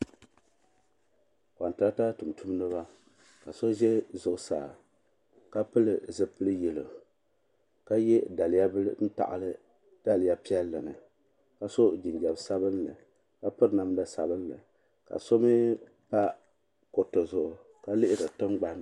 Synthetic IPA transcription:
ka˨n˨tɨ˨˦a˦ta˦tɨ˨m˨tʰu˦m˦nɨ˦βa˦ | ka˨so˦ʒɛ˦zʊ˨ʔʊ˦sa̰ː˨ | ka˦pɨ˦lɨ˨zɨ˦pɨ˦lɨ˦jɛ˨lɨ̰˨ | ka˦jɛ˦da˨lɪ˨ja˦bɨ˦lɨ˦n̩˦ta̰˨ʔɨ̰˨lɨ˦ | d̥a˦lja˦pi˦ɛ˦lːɨ˨nɨ˨ | ka˨so˦d͡ʒi˨nd͡ʒɛ˨bsa˦bɨ˦nlɨ˨ | ka˦pɨ˦ɾna˨mlɨ˦sa˨bɨ˦nlɨ̰˨ | ka̰˨so˦mɨ˦ | pa˦ | ko˨tɨ˨zʊ˨ʔʊ˨ | ka˦lɨ˦ʔɪ˦dɨ˨tɨ˦mɡ͡ba˦n

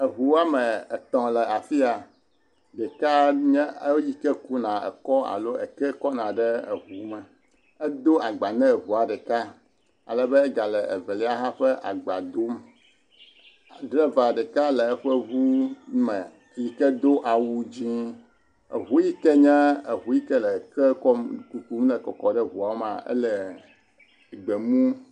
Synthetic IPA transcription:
ɛ˨ɦu˨wa˦mɛ̃˨ɛ˨t̪ɔ̃˨lɛ˨a˨fi˦a˨ | ɖɛ˨ka˦ɲɛ̃˦e˦ji˦kɛ˦ku˦nã˨ɛ̰˨kɔ˦a̰˨lo˦e˨kɛ˦kɔ˦nã˨ɖɛ˦ḛ˨ɦu˨mɛ̃˨ | ɛ˦d̪o˦a˨ɡ͡ba˨nɛ̃˦˨ɦu˨a˨ɖɛ˨ka˦ | a̰˨lɛ˨bɛ˦e˦ɡa˨lɛ˨ḛ˨vɛ˨li˦a˦ɦã˦ɸɛ˦ʔa̰˨ɡ͡ba̰˨d̪o˦m˨ | ɖɾe˦va˨ɖɛ˨ka˦lɛ˨ɛ˦ɸɛ˦vu˦mɛ̃˨ | ji˨kɛ˦d̪o˦ʔa˨wu˦d͡ʑi˦ | ḛ˨ɦu˦ji˦kɛ˦ɲɛ̃˦e˨ɦu˨ji˦kɛ˦lɛ˨kɛ˦kɔ˦mku˨ku˦mlɛ˨kɔ˨kɔ˨ɖɛ˦ɦu˨a˨˦ma˨ɛ̰˦lɛ˨ | ɡ͡be˨mũ˦

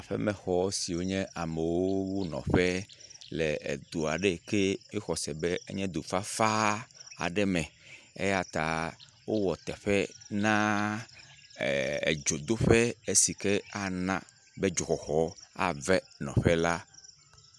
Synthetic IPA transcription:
a˨ɸɛ̰˦mɛ̃˨xɔ˨˦si˨wo˦ɲɛ̃˦ʔa˨mɛ˨wo˦wu˦nɔ̰̃˨ɸɛ˦lɛ˨ḛ˨d̪o˨a˨ɖe˦ke˦e˦xɔ˨sɛ˨bɛ˦ḛ˦ɲɛ̃˦d̪o˨fa˦fa˦a̰˨ɖɛ˦mɛ̃˨ḛ˦ja˨t̪a˨ | wo˦wɔ˨t̪ɛ˨ɸɛ˦nã˦ | ḛ˨d͡ʒo˨d̪o˦ɸɛ˦e˦si˨ke˦a˦nã˦ | bɛ˦d͡ʒo˨xɔ˨xɔ˦a̰˦˨vɛ˦nɔ̰̃˨ɸɛ˦la˦

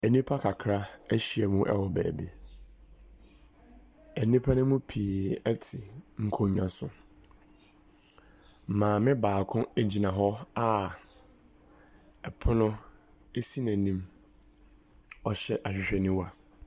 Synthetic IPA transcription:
ɛ˨nĩ˦pʰa˦kʰa˨kʰɾa˦æ˦ɕi˨ɛ˨mũ˦ʔɛ̰˦wɔ˨bæ̰ː˨bi˦ | ɛ˨nĩ˦pʰa˦nʊ̃˦mʊ̃˦pʰiː˨ɛ˦tʰɪ˨ŋ̩˨kʰo˨ɲã˨sʊ̃˦˨ | mãː˨mɪ̃˦baː˨kʰʊ̃˦e˦d͡ʑi˨nã˨ɦɔ˦a˦ | ɛ˨pʰʊ˦nʊ̃˦ | e˦si˦næ̃˨nĩ˦m | ɔ˨ɕɛ˦˨ʔa˨ɕᶣɪ˨ɕᶣɛ˨nɪ̃˦wa˨

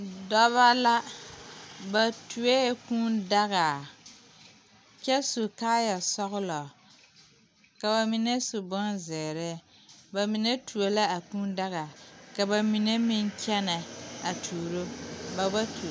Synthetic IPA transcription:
dɔ˦βa˦la˦ | ba˨tu˨e˦kũː˦nda˦ɣa˨ | t͡ʃɛ˦su˨kaː˦ja˨sɔ˦ɣʊ˦lɔ˨ | ka˨ba˨mi˨nɛ˦sʊ˨bɔ˦nzɛː˨ɾɛ˦ | ba˨mi˨nɛ˦tu˨e˨la˦a˨kuː˦nda˦ɣa˨ka˨ba˨mi˨ne˦mɪ˦ŋkʰʲɛ˦nɛ˨a˨tʰuː˨ɾo˦ba˨ba˦tu˨

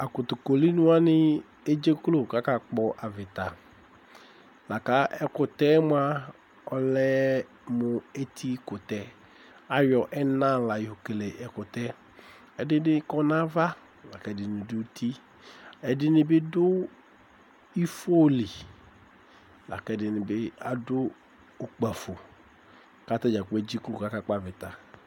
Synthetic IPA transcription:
a˨kʊ˨tʊ˨ko˨li˦nʊ̃˦a˦nɪ˦ | e˦d͡ʒe˦klo˨ka˦ka˨k͡pɔ˦ʔa˨vɪ˨t̪a˨ | la˨ka˦ɛ˨kʊ˨tɛ˦mʊ˦a˦ | ɔ˨lɛ˦ | mʊ˨e˦t̪ʰi˦kʊ˨tɛ˦ | a˨jɔ˨ʔɛ˦nã˦la˨jɪ˨ho˨ke˨le˨ʔɛ˨kʊ˨t̪ɛ˦ | ɛ˨dɪ˦dɪ˦kɔ˦nã˦va˦ | la˨kɛ˨˦˨dɪ˨nɪ˨dʊ˦t̪ʰi˦ | ɛ˨dɪ˦nɪ˨bɪ˦dʊ˦ | i˦fo˦li˨ | la̰˨kɛ˦˨dɪ˨nɪ˨bɪ˦a̰˨dʊ˦ | o˨k͡pa˨fo˨ | ka˦t̪a˦d͡ʒa˨k͡pe˦d͡ʑi˦ku˦˨ka˦ka˦k͡pa˦vɪ˨t̪a˨

